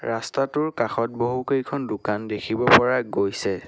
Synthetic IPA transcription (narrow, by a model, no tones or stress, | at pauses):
ɹastatʊɹkaxɔt̚boɦukejkʰɔndʊkandekʰibɔpɔɹaɡojsɛ